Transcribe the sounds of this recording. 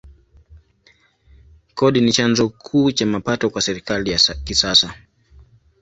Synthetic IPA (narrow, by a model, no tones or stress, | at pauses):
kɔɗinit͡ʃanzɔkʰuːt͡ʃamapatɔkwasɛɾikalijakisasa